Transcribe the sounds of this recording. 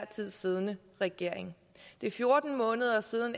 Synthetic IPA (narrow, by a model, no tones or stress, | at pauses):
ɐ̰t͡sʰið̞̰ˠsiːð̞ˠənə | ʁɛɡ̥e̝ɐ̰eŋ | d̥e̝fjo̝ɐd̥n̩mɔ̽ːnəð̞ˠɐsiːð̞ˠən̩